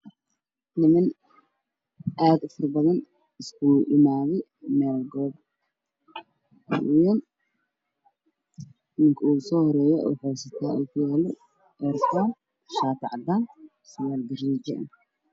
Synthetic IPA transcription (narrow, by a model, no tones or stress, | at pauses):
nɪmɐn | ʔaːd̪fɐrbɐðɐn | ɪskʰuːʔɪmaːðɛj | mɛːlɡɔːb | jɐn | mɪŋkʰɐuːsɔːhɔɾɛːjɔʔɔ̰ħɔːsɐt̪ʰaːɛkʰʊjaːlɔ | ɛɾt̪ʰaː | ʃaːt̪ʰɑ̰ʕd̪aːn | sɐjaːlɡɐriːd͡ʒɛ̰n